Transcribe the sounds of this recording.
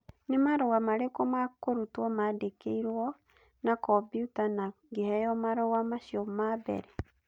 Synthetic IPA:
nemaɾɔwamaɾekɔmakoɾutwɔmadekeiɾwɔ | nakɔbjutana | ɡehɛjɔmaɾɔwamaʃiɔmabɛ̰ɾɛ

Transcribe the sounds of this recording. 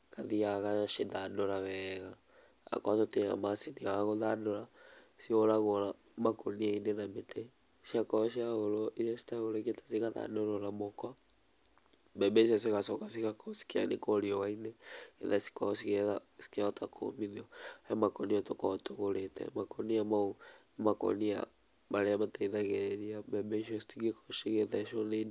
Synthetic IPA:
kaðiaɣaʃeðandoɾaɣɛɣa | a̰kwatoteɣa̰masiniaɣoðandoɾa | sioɾaɣoɾa | makoniainenamete | ʃiakɔʃiaoɾoʔiasi̥taoɾeketḁsiɣaða̰ndoɾoɾamokɔ | bɛbɛʃ̬iɔs̬eɣasɔkasiɣakɔsi̥kia̰nekɔɾiɔwainɛḛðasi̥kɔs̬iɣeðasi̥keaɔtakʰo̰miðiɔɛmakɔniatokɔtoɣoɾetʰɛ̰makɔniamao | makɔ̰nia̰ | maɾeamataiðaɣɛɾiabɛbɛʃiɔsi̥tiɣekɔ̥ʃiɣeðaʃɔnen

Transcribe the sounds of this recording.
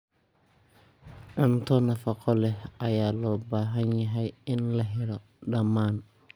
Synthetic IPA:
ʕʊnt̪ɔnɐfɐqɔlɛʔɐjaːlɔːbaːɦɐnjɐɦɛjɪnlɐɦɪɾɔ | ɗɐmaːn

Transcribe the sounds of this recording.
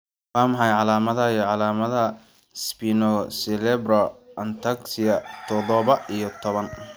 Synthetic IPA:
waːmɐħɑjʕɑlaːmɐðɐiʕɑlaːmɐðɐ | spinɔsɛlɛbrɔɐnt̪ʰaksɪɐt̪ʰɔðɔβɐijɞt̪ʰɔβɐn

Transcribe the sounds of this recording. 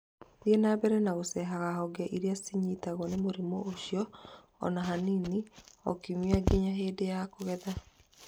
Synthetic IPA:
ðiɛnabɛɾɛnaosɛɦaɣahɔɡɛʔiɾeasiɲitaɣɔnemoɾimoʔoɕjɔ̰ː | naɦaniniɔ̰kimiaɡeɲaɦeːdejakoɣɛða

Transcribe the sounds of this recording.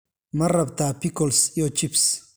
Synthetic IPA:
mɐrɐbt̪aːpɪkɔlsjot͡ʃɪps

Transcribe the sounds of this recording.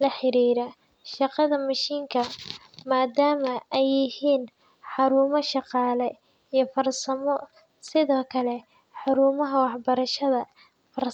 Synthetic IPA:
lɐħɪɾiːɾɐ | ʃɑqɑðɐmɐʃiːŋkʰɐ | maːd̪aːmɐɛjɪhiːn | ħɑɾuːmɔʃɑqɑːlɛ | ijɞfɐrsɐmɔ | sɪðɔːkʰɐlɛ | ħɑɾuːmɐɦɐwɑħbɐɾɐʃɐðɐ | fɐr

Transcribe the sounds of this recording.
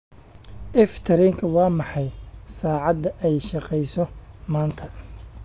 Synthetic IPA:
ʔɛft̪ʰɐɾɛŋkʰɐwɑːmɑħɑjsaːʕɑd̪ɐʔɛjʃɑqɛjsɔmaːnt̪ʰɐ

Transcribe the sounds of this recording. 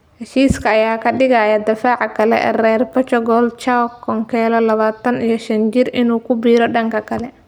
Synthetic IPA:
hɛʃiːskʰɐːjaːkʰɐɖɪɣɐjɐd̪ɐfaːʕɑkʰɐlɛ̰ʔrɛːrbɐt͡ʃɔɡɔlt͡ʃawkʰɔŋkʰɛːlɐlɐβaːt̪ʰɐnijɞʃɐnt͡ʃɪrʔɪnuːkʰʊbiːɾɔɖɐŋkʰɐkʰɐlɛ

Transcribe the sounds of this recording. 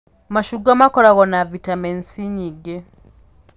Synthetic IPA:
maʃuɡamakolaɣonavitamensiɲiɡe

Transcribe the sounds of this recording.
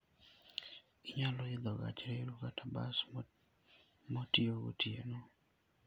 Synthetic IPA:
iɲaloɪd̪ɔɣa̰t͡ʃɾeɾukataba̰s | motioɡo̰tiḛno

